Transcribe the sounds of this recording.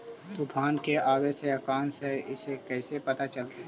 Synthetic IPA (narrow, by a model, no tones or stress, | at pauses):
t̪upʰaːnkeaːweseəkaːnseɪsekɛːsepət̪at͡ʃəlt̪a